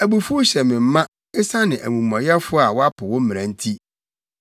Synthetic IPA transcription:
æ˨bu˨fu˦ɕɛ˨mɪ̃˨m̩˦mã˦ | ɪ˦sa˦nɪ̃˨ʔæ̰˨mũ˨mɔ̃˨jɛ˦fʊ˦a˨wɔ˦a˦pʰʊ˨wʊ˦m̩˦m̃˨ã˨n̩˦tʰi˦

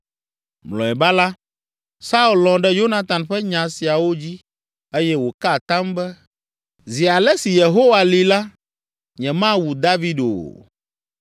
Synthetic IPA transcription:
mlɔ̰̃˨ɛ˨ba˦la˦ | sa˦u˦˨llɔ̃˨ɖɛ˦jo˦na˦t̪a˨nɸɛ˦ɲã˨si˨a˨wo˦d͡ʑi˦ | e˦jɛ˦wo˨ka˦˨t̪ã˦mbɛ˦ | zi˨a˨lɛ˦si˨je˨ɦo˦wa˨li˨la˦ | ɲɛ̃˨mã˦wu˨d̪a˦vi˦ɖo̰˨

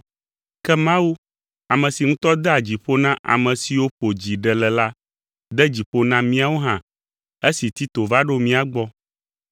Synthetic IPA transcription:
kɛ˦mã˦wu˦ | a˨mɛ̃˨si˨ŋũ˦t̪ɔ˦d̪ɛ˦a˨d͡ʑi˨ɸo˦nã˦ʔa̰˨mɛ̃˨si˨wo˦ɸo˨d͡ʑi˨ɖɛ˨lɛ˨la˦ | d̪ɛ˦d͡ʑi˨ɸo˦nã˦mĩ˦a˨wo˦ɦã˨ | e˦si˨t̪i˦t̪o˨va˦ɖo˦mĩ˦a˨ɡ͡bɔ˦

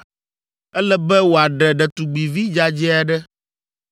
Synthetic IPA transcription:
ɛ˦lɛ˦bɛ˦wo˨a˨ɖɛ˨ɖɛ˨t̪u˨ɡ͡bi˨vi˦d͡ʒa˦d͡ʒɛ˦a˨ɖɛ˦

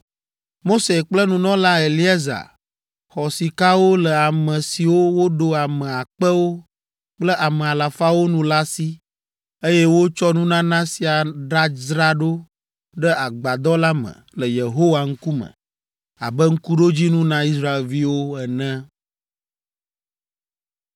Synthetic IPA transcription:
mo˦se˨k͡plə˦nũ˨nɔ̃˦la˦e˨li˦a˦za̰˨ | xɔ˨si˨ka˦wo˦lə˨a˨mɛ̃˨si˨wo˦wo˦ɖo˦a˨mɛ̃˨a˨k͡pə˦wo˦ | k͡plə˦ʔa˨mɛ̃˨a˨la˨fa˦wo˦nũ˦la˦si˦ | e˦jɛ˦wo˦t͡ʃɔ˦nũ˦nã˦nã˦si˨a˨ɖa˦zɾa˦ɖo˦ | ɖɛ˦a˨ɡ͡ba˨d̪ɔ˦la˦mə̰̃˨lə˨je˨ɦo˦wa˨ŋ̩˦ku˦mə̰̃˨ | a̰˨bɛ˦ŋ̩˦ku˦ɖo˦d͡ʑi˦nũ˦nã˦i˦sɾa˦˨e˨lvi˦wo˦ɛ˨nɛ̃˦

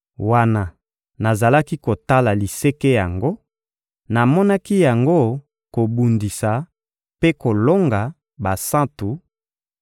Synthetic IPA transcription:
wa˦na˨ | na˨za˨la˦ki˦ko˨ta˦la˨li˨se˦ke˦ja˨ŋɡo˦ | na˨mɔ˦na˦ki˦ja˨ŋɡo˦ | ko˨bu˨ndi˨sa˨ | pe˦ko˨lo˦ŋɡa˨ | ba˨sã˦tu˨

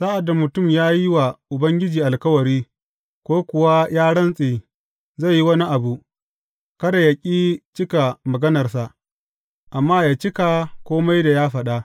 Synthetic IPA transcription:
saː˦ʔa˨da˨mʊ˨tʊ˦˨mjaː˦ji˦wa˨ʔʊ˨bɐ˦ŋɡʲɪ˦d͡ʒiː˨ʔa˨lkɐ˦wɐ˨ɾiː˦ | kʷoː˦kʷʊ˨wa˦jaː˦ɽɐ˦nsʼeː˨ | za˦˨ji˦wɐ˦ni˦ʔa˨bu˨ʔ | kɐ˦da˨jɐ˨kʲʼiː˦t͡ʃɪ˦ka˨mɐ˨ɡɐ˦nɐ˨rsa˨ʔ | ʔa˨mːaː˦jaː˨t͡ʃɪ˦ka˨kʷoː˦ma˦jda˨jaː˦ɸɐ˨ɗa˦ʔ

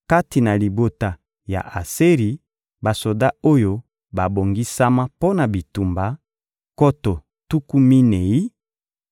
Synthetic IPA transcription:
ka˦ti˨na˨li˨bo˨ta˨ | ja̰˨ʔa˨se˦ʁi˨ | ba˨so˨da˦o˦jo˦ | ba˨bo˨ŋɡi˦sa˦ma˦po˦na˨bi˨tu˨mba˨ | ko˦to˨ | tu˦ku˦mi˦ne˨i˦

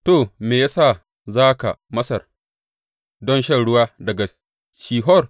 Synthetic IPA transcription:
toː˨meː˨ja˦saː˦˨ | zaː˦ka̰˨mɐ˦sɐ˨r | dɔ˦nʃɐ˦˨ɽʊ˦waː˦dɐ˨ɡa˨ | ʃiː˨ɦɔ˦r

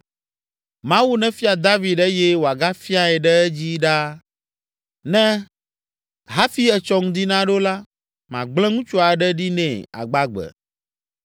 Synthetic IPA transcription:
mã˦wu˦nɛ̃˦fi˦a˨d̪a˦vi˨ɛ˦jɛ˦wo˨a˨ɡa˦fi˦a˨ɛ˨ɖɛ˦ɛ˦d͡ʑi˦ɖa˦ | nɛ̃˦ | ɦa˦fi˦ɛ˨t͡ʃɔ˦ŋũ˦d̪i˦nã˦ɖo˦la˦ | mã˨ɡ͡blɛ̃˦ŋũ˦t͡ʃo˦a˨ɖɛ˦ɖi˦nɛ̰̃˨a̰˨ɡ͡ba˦ɡ͡bɛ̰˨

